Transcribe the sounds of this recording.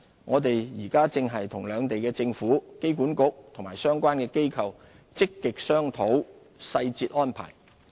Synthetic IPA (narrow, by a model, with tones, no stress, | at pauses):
ŋɔː˨˧t̪e˨jjiː˨˩kaː˥t͡sɪ˧ŋɦɐ˨jt̪ʰʊ˨˩ŋlœː˨˧ŋt̪e˨jkɛː˧t͡sɪ˧ŋfuː˨˥ke˥jkuː˨˥nkʊ˨k̚t̪ʰʊ˨˩ŋma̰ː˨˩jsœː˥ŋkwʷaː˥nkɛː˧ke˥jkʰɐ˨w | t͡sɪ˥kːɪ˨k̚sœː˥ŋt̪ʰo˨˥w | sɐ˧jt͡siː˧t̚ʔɔː˥npʰa̰ː˨˩j